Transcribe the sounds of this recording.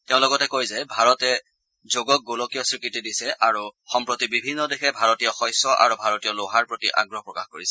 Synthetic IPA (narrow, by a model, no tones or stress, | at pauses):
tɛʊ̃lɔɡɔtɛkojzɛbʱaɹɔtɛ | zoɡɔk̚ɡolokijɔsɹikɹitidisɛʔaɹuxɔmpɹotibibʱinːɔdexɛbʱaɹɔtijɔxɔjsɔʔa̰ɹubʱaɹɔtijɔloɦaɹpɹotḭʔa̰ɡɹɔɦɔpɹɔkaxkoɹisɛ